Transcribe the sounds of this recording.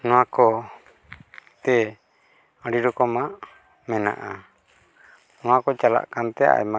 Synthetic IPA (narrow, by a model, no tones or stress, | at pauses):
nɔwakɔ | t̪ɛ | ə̃ɖiɾɔkɔmaʔ | mɛna̰ʔa | nɔwakɔt͡ʃala̰ʔkant̪ɛa̰jma